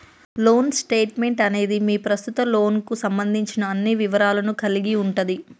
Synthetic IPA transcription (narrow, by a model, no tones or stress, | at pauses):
lo̞ːnsʈe̞ːʈme̞ɳʈɐne̞ːd̪imiːpɾɐst̪ut̪ɐlo̞ːnkusɐmbɐnd̪ʱiɲt͡ʃinɐːnːiʋiʋɐɾaːlɐnukɐliɡiuɳʈud̪i